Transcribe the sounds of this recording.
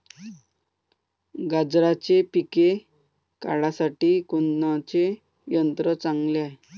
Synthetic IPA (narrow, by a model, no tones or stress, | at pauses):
ɡad͡zɾat͡ɕepike | ka̰ɽasaʈiːkunːat͡ɕe | jənt̪ɾət͡saŋɡla